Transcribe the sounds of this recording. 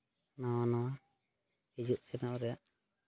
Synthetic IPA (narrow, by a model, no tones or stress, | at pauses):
nawanɔwa | id͡ʒuʔsɛnɔʔɔɾɛjaʔ